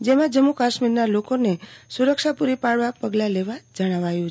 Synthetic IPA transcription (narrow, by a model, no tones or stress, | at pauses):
d͡ʒemãd͡ʒəmːukaʃmiɾnalokonesuɾəkʃapuɾipaɭʋapəɡlaleʋad͡ʒəɽ̃aʋajũ